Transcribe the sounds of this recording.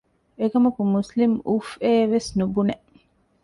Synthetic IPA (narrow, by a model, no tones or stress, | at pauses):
ekɐmɐkumuslimʔufeːʋesnubuneʔ